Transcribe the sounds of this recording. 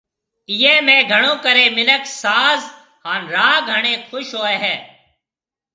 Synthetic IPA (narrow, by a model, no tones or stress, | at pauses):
ɪjeːmẽːɡʱəɳõːkəɾẽːmɪləksaːz | ɦaːnɾaːɡʱəɳẽːkʰʊʃɦoːeːɦɛː